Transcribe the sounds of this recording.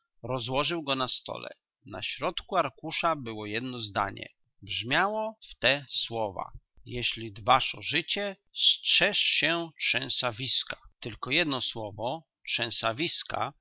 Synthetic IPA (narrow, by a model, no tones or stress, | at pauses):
ɾɔzwɔʐɘwɡɔnast̪ɔ̰lɛ̰ | na̰ɕɾɔt̪kuaɾkuʂabɘwɔjɛd̪nɔzd̪a̰ɲɛ̰ | bʐmʲjawɔft̪ɛswɔva̰ | jɛɕlʲid̪vaʂɔʐɘt͡ɕɛ | stʂɛʂɕɛtʂɛ̃w̃savʲiskat̪ɘlkɔjɛd̪nɔswɔvɔ | tʂɛ̃w̃savʲiska̰